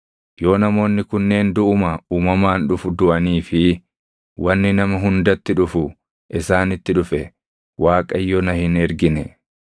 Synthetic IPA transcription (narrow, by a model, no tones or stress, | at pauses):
jo̞ːnɐmo̞ːnːɪkʊnːe̞ːnd̪ʊʔʊmɐuːmɐmaːnᶑʊfʊd̪ʊʔɐniːfɪ | wɐnːɪnɐmɐɦʊnd̪ɐt̪ːɪᶑʊfʊ | ʔɪsaːnɪt̪ːɪᶑʊfɛ | waːkʼɐjːɔnɐhɪnɛɾɡɪnɛ